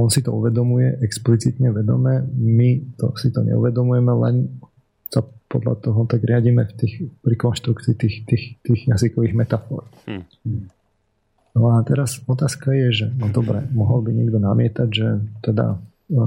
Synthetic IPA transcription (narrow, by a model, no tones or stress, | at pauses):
ɔnsit̪ɔuʋɛd̪ɔmujɛ̰ʔɛksplit͡sit̪ɲɛʋɛd̪ɔ̰mɛːmit̪ɔ̰sit̪ɔɲɛ̰ṵʋɛd̪ɔmujɛmɛlɛn | sapɔd̪la̰t̪ɔɦɔt̪aɡɾɪaɟimɛft̪iːxpɾikɔnʃt̪ɾukt͡siːt̪iːxt̪iːxt̪iːɣjazikɔʋiːɣmɛt̪afɔ̰ːɾ | nɔat̪ɛɾasɔt̪aːskajɛʒɛnɔd̪ɔbɾɛ̰mɔɦɔlbiɲɪɛɡd̪ɔnamɪɛt̪aɟʒɛt̪ɛd̪a̰